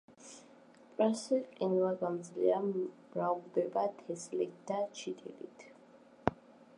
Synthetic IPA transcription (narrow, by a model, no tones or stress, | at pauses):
pʼɾasiqʼinvaɡamd̪zlḭamɾaud̪ɛbat̪ʰɛslit̪̚ʰd̪̥at͡ʃʰit̪ʰḭlḭt̪ʰ